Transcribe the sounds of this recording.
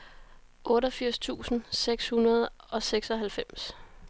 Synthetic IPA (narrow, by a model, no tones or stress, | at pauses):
ʔɔ̽ːɾɐfiɐ̰st͡sʰṵːsn̩seɡ̥shunɐð̞̩ˠɒ̽seɡ̥sɒ̽ɦælfem̰s